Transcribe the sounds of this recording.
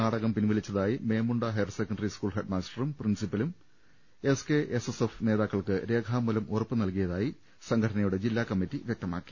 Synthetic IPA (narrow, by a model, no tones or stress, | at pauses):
naːɽɐɣɐmpinʋɐlit͡ɕːɐðaːjime̞ːmuɳɖɐɦɐjɐrsekːɐɳɖɐriskuːɭɦeɖmaːsʈɐrumprinsipːɐlum | e̞ske̞ʔesesefneːðaːkːɐɭkɨɾe̞ːkʰaːmːulɐmʔorɐpːɨnɐlkijɐðaːji | sɐŋɡʰʱɐʈʰɐnɐjuɽe̞d͡ʑilːaːkɐmːitːiʋjek̚t̪ɐma̰ːkːi̥